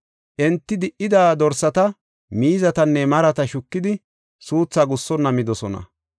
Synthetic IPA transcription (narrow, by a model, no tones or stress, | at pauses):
ʔɛnt̪ːɪd̪ɪʔɪd̪aːd̪ɔɾsɐt̪ɐ | miːzɐt̪ɐnːɛmɐɾɐt̪ɐʃʊkːɪd̪ɪ | suːt͡sːaɡʊsːɔnːɐmɪd̪ɔsɔnɐ̰